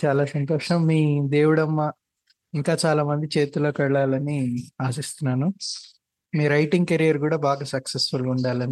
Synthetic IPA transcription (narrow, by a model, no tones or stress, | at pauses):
t͡ʃaːlaːsɐnt̪oːʂɐmːiːd̪e̞ːwuɽɐmːa | iŋkaːt͡ʃaːlaːmɐnd̪it͡ʃe̞ːt̪ulo̞ːkɛɭːaːlɐniaːsist̪unːaːnu | miːɾɐjʈiŋɡ̚kɐɾijɐɾkuːɽaːbaːɡaːsɐksesfuluɳɖaːlɐni